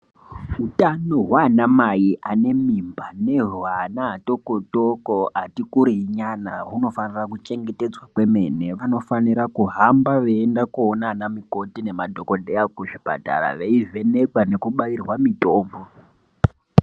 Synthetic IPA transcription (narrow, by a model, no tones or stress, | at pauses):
utanoɦwanamajiʔane̞mimbane̞rwanaato̞kotokoɦatikuɾiɲanaɦuno̞fanirakut͡ʃe̞ŋɡe̞te̞d͡zwakwe̞me̞̰ne̞ʋano̞faniɾakuɦambaʋeːndakuonanamiko̞tine̞madʱokodeakuʐipa̰ta̰ra̰ʋe̞ive̞ne̞kwane̞kuɓairwamitoːmbo